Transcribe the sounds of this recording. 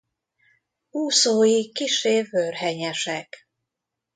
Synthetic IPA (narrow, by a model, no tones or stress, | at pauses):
uːsoːjikiʃeːvørɦɛɲɛʃɛk